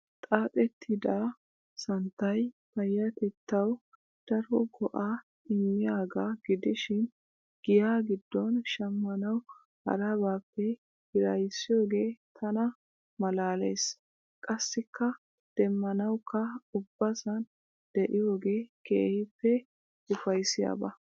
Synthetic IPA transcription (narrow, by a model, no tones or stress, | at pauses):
t̪ʼaːpʼɛt̪ʰːɪd̪a | sɐnt̪ːɐj | fɐjːɐt̪ɛt̪ːɐw | d̪̥ɐɾɔɡɔʔa | ɪmːɪjaːɡaɡɪd̪ɪʃɪn | ɡ̥ɪjaːɡɪd̪ːɔnʃɐmːɐnɐw | hɐ̰ɾɐbaːpːɛ | hɪɾɐjsːɪjo̞ːɡe̞ːt̪ʰɐnɐ | mɐlaːlḛːs | kʼɐsːɪkːɐ | d̪̥ɛmːɐnɐwkʰːɐʊbːɐsɐn | d̪̥ɛʔɪjo̞ːɡe̞ːkḛːhɪpːɛ | ʊfɐjsɪja̰ːbɐ